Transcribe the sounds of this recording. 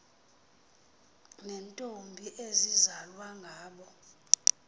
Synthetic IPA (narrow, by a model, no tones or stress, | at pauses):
nɛntʼombʱiʔezizalwaŋɡʱaːɓɔ